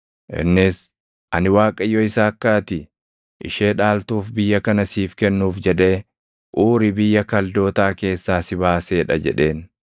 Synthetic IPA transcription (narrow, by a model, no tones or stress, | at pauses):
ʔɪ̰nːɪs | ʔɐ̰nɪwaːkʼɐjːɔɪsaːɐkːaːt̪ɪ | ʔɪ̰ʃeːᶑaːlt̪uːfbɪjːɐkɐnɐsiːfkɛnːuːfd͡ʒɛᶑe̞ː | ʔuːɾɪbɪjːɐkɐld̪o̞ːt̪aːke̞ːsːaːsɪbaːseːᶑɐd͡ʒɛ̰ᶑe̞ːn